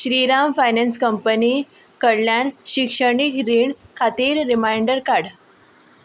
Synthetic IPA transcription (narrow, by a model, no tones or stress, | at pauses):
ɕɾiːɾamfajnɛnskəmpəniː | kəɽljaɳɕikʂəɳikɾiɳkʰat̪iːɾːimajɳɖəɾkaɽ